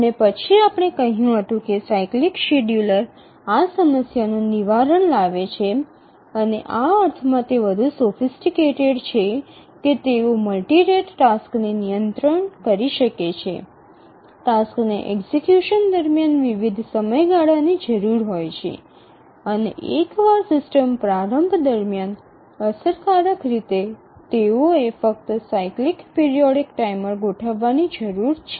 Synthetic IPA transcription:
ənepət͡ʃʰiapɽ̃ekəɦjũɦət̪ũkesaiklikʃeɖjuləɾ | asəməsjanũniʋaɾəɳlaʋet͡ʃʰe | əneʔaəɾt̪ʰmãt̪eʋəd̪ʱusofisʈikeʈeɽt͡ʃʰe | ket̪eoməlʈiɾeʈʈasknenijənt̪ɾəɳkəɾiʃəket͡ʃʰḛ | ʈasknḛʔḛksekjuʃənd̪əɾmjanʋiʋid̪ʱsəməjɡaɽanid͡ʒəɾuɾɦojt͡ʃʰḛ | ənḛʔekʋaɾsɪsʈəmpɾaɾəmbʱd̪əɾmjan | əsəɾkaɾəkɾit̪e | t̪eoefək̚t̪sajklikpiɾijɔɽikʈaiməɾɡoʈʰəʋːanid͡ʒəɾuɾt͡ʃʰe

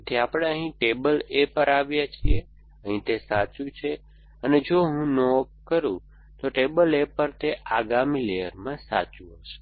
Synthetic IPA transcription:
t̪eapɽ̃eəɦĩʈebəlepəɾaʋjat͡ʃʰie | əɦĩt̪esat͡ʃũt͡ʃʰe | əned͡ʒoɦũnop̚kəɾṵ̃ | t̪oʈebəlepəɾt̪eʔaɡamĩleɦəɾmãsa̰t͡ʃũɦəʃe̥

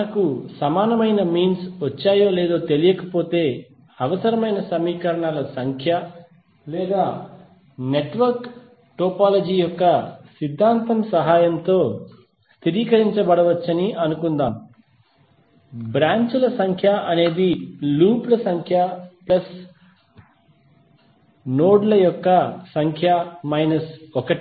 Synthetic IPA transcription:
ɐkusɐmaːnɐmɐjnɐmiːnsʋɐt͡ʃːaːjoːleːd̪oːt̪e̞lijɐkɐpo̞ːt̪e̞ː | ɐʋɐsɐɾɐmɐjnɐsɐmiːkɐɾɐɳaːlɐsɐŋkʰjɐ | lɛːd̪aː | ne̞ʈʋɐɾk | ʈoːpaːlɐd͡ʒiːjɔkːɐsid̪ʱːaːnt̪ɐmsɐɦaːjɐmt̪o̞ː | st̪iɾiːkɐɾiɲt͡ʃɐbɐɽɐʋɐt͡ʃːɐniʔɐnukund̪aːm | bɾaːɲt͡ʃulɐsɐŋkʰjaʔɐne̞ːd̪iluːplɐsɐŋkʰjaplɐs | noːɖlɐjɔkːɐsɐŋkʰjamɐjnɐsɔkɐʈi

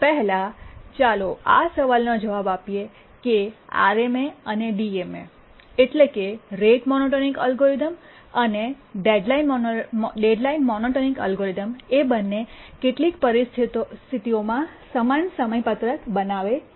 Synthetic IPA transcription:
pɛɦɛlat͡ʃaloa̰səʋalnod͡ʒəʋabapije | kea̰ɾemeəneɖiemḛ | eʈlekeɾeʈmɔnoʈonikə̰lɡoɾid̪əm | əne | ɖeɖlain | ɖeɖlainmɔnoʈonikə̰lɡoɾid̪əmebənːekeʈlik̚pəɾist̪ʰist̪ʰit̪iomãsəmansəməjpət̪ɾəkbənaʋe

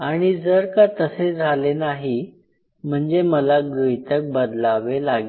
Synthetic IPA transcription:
aɽ̃id͡zəɾkat̪əsed͡zʱalenaɦi | m̤əɳd͡zeməlaɡəjt̪ək̚bəd̪laʋelaɡ

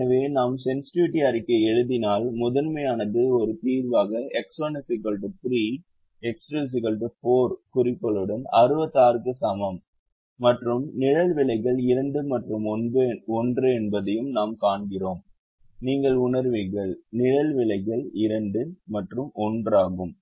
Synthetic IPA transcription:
ɐʋeːnaːmsɛnsɪ̥ʈɪʋɪʈːɪɐɾɪkːɐɛɻɯðɪnaːlmʊðɐnmɐjaːnɐðɯɔɾɯt̪iːɾʋaːɣɐɛksoːnɪsɪkɐɭʈɯfɾiː | ɛkskluːs̬ɪkɐɭʈɯfoːɾkʊɾɪpːɐlɯɽɐnɐɾɯbɐt̪ːaːɾkɯsɐmɐmː | ɐʈrɯmnɪɻɐlʋɪɭɐɪɣɐɭɪɾɐɳɖɯmɐʈrɯmnbɔndrɯɛnbɐðɐjɯmnaːmkaːɳɡɪroːm | niːŋɡɐɭʊnɐɾʋɪɣɐɭnɪɻɐlʋɪɭɐɪɣɐɭɪɾɐɳɖɯmɐʈrɯmɔndraːɣɯm

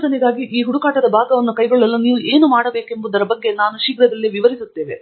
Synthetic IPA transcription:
d̪ɐniɡ̪aːɡiʔiːɦuɽukaːʈɐd̪ɐbʱaːɡɐʋɐnːukɐjɡoɭːɐlːuniːʋue̞ːnumaːɽɐbe̞ːke̞mbud̪ɐɾɐbɐɡːe̞naːnuʃiɡɾɐd̪ɐlːiʋiʋɐɾisut̪ːe̞ːʋe̞

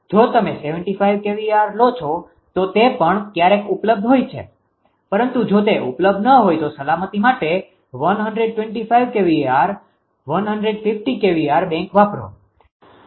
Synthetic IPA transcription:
d͡ʒot̪əmeseʋəɳʈifajʋkeʋiaɾlot͡ʃʰo | t̪ot̪epəɳkjaɾekupləb̚d̪ʱɦojt͡ʃʰḛ | pəɾənt̪ud͡ʒot̪eʔupləb̚d̪ʱnəɦojt̪osəlamət̪imaʈe | ʋənɦəɳɖɾeɖ̚ʈwẽɳʈifajʋkeʋiaɾ | ʋənɦəɳɖɾeɖfʰɪfʈikeʋiaɾbɛ̃ŋkʋapɾo̰

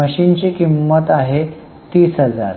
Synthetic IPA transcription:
əɕint͡ɕikimːət̪aɦe | t̪iːsɦəd͡za̰ɾ

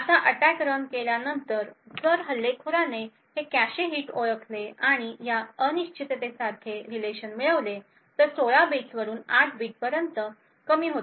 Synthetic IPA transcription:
asaʔəʈakɾəɳkeljanənt̪əɾd͡zəɾɦəlːekʰuɾane | hekæɕeɦiːʈoɭəkʰleaɽ̃ijaəniɕt͡ɕʰit̪t̪esakʰeɾileɕənmiɭəʋle | t̪əɾsoɭabet͡sʋəɾuːnaʈʰbʱiːʈ̚pəɾjənt̪ə | kəmiːɦot̪

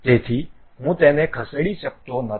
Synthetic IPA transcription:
t̪et̪ʰiː | ɦũːt̪enẽkʰəsəɽiːɕək̚t̪onə

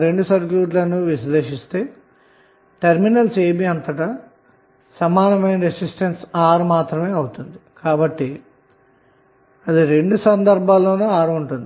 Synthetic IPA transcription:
ɾe̞ɳɖusɐɾkjuːʈlɐnuʋisle̞ːʃist̪e̞ː | ʈɐɾminɐlseːbiɐnt̪ɐʈɐ | sɐmaːnɐmɐjnɐɾesisʈɐnsaːɾmaːt̪ɾɐme̞ːɐwut̪und̪ikaːbɐʈːi | ɐd̪iɾe̞ɳɖusɐnd̪ɐɾbʱaːlːoːnɐaːɾuɳʈund̪ii

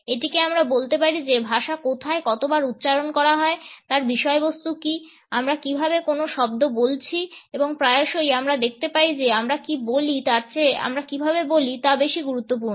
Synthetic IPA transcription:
eʈikeamɾabolt̪epaɾid͡ʑebʱaʃakot̪ʰaekɔt̪obaɾut̪ːɕaɾonkɔɾaɦɔet̪aɾbiʃɔebost̪uki | amɾakibʱabekonoʃɔb̚d̪obolt͡ɕʰieboŋpɾaeoʃojamɾad̪ekʰt̪epaid͡ʑeamɾakibolit̪aɾt͡ɕea̰mɾakibʱabebolit̪abeʃiɡuɾut̪ːop̬uɾno

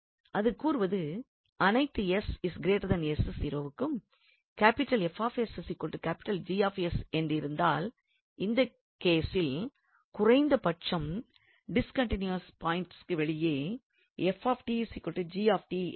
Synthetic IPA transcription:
ʔɐðɯkuːɾɯʋɐðɯ | ɐnɐɪt̪ːɯɛsɪsɡɪɾeːʈɐðɐnɛssɪɾoːʋɯkːɯm | kaːpɪʈːɐlɛfaːfɛssikːɔlʈːɯkaːpɪ̥ʈːɐld͡ʒiːaːfɛsɛndrɪɾɯnd̪aːl | ɪnd̪ɐ | keːsɪl | kʊrɐɪnd̪ɐpɐʈ̚t͡ʃːɐm | ɖɪskɐɳʈɪnjuɐspaːjɪɳʈskːɯʋɛɭɪjeː | ɛfaːfʈisikːɔɭʈːɯd͡ʒiːaːfʈi

